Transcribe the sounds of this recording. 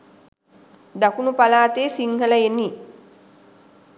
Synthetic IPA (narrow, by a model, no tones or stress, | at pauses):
d̪akunupalaːt̪eːsiŋhələjeni